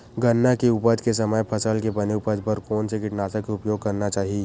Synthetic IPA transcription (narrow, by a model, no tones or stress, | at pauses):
ɡɐnːakeʊpəd̪kes̬ɐməjpʰɐsəlkebɐneʊpəd͡ʒ̪pɐɾkɔːnsekɪʈnaːsakeʊpjoːɡ̚kɐɾnat͡ʃaːɦie